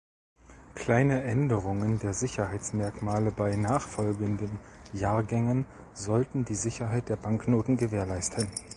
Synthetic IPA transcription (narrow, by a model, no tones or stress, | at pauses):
kʰl̥aɪnəʔɛndəʁʊŋəndeːɐzɪçɐhaɪt͡smɛɐkmaːləbaɪnaːχfɔlɡəndənjaːɐɡɛŋən | zɔltn̩diːzɪçɐɦaɪt̚d̥eːɐbaŋknoːtn̩ɡəveːɐlaɪstʰən